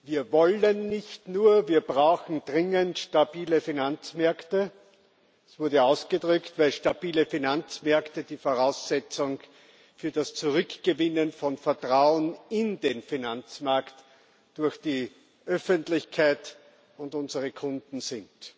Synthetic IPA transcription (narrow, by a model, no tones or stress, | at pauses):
viːɐvɔlənːɪçtnuːɐviːɐbʁaʊxn̩dʁɪŋəntʃtabiːləfinant͡smɛɐktə | ɛsv̥ʊɐdəaʊsɡ̥ədʁʏktvæɪlʃtabiːləfinant͡smɛɐktəd̥iːfoʁaʊsɛt͡sʊŋ | fyːɐdast͡sʊʁʏkɡ̥əvɪnənfɔnfɛɐtʁ̥aʊənɪndeːnfinant͡smaɐkt | d̥ʊɐçd̥iː | ʔœfəntlɪçkʰaɪt | ʊndʊnzəʁəkʰʊ̃ndn̩zɪnt